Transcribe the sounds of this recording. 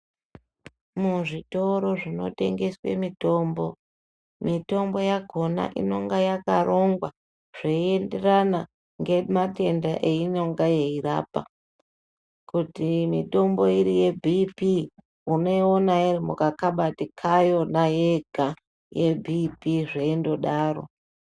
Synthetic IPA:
muʐito̞ɾo̞ʐino̞̰te̞̰ŋɡe̞swe̞̰mito̞ːmbo̞ | mito̞mbo̞jaɡʱo̞na̰ʔḭno̞ŋɡajakaro̞ŋɡwa | ʐ̥eie̞nde̞rana | ŋɡe̞mate̞ndaʔe̞ino̞ŋɡaje̞ira̰ːpa̰ | kutimito̞mbo̞iɾije̞bʱipi | uno̞ionairimukakaɓatikʰajo̞najeɡʱa | je̞bʱipiʐeindo̞ɗaːɾo̞̰

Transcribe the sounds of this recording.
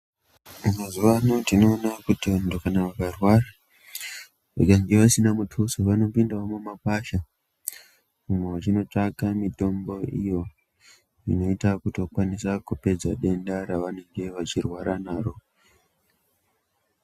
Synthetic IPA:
umazuʋanotino̞ːnakutiʋandokanaʋakarwara | eɡaŋɡeʋasinamutʰusoʋano̞pindaomumapaʃa | mumwewat͡ʃino̞takamito̞mbo̞ḭjo̞ | ḭno̞itakuto̞kwanisakupe̞d͡zaɗe̞ndaɾaʋane̞ŋɡe̞ʋat͡ʃirwaɾanaːɾo̞

